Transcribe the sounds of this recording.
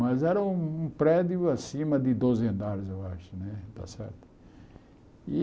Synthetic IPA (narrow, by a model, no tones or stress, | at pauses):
mɐzɛɾɐũũpɾɛd̪jʊasĩmɐd̪ɪd̪ozẽnd̪aɾɪzewaʃʊnɛd̪a̰sɛ̰ɾt̪ʊ̥ | i